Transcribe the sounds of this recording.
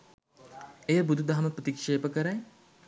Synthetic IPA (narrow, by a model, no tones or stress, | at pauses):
ejəbud̪ʱud̪aɦaməprət̪ikʂeːpəkəɾaj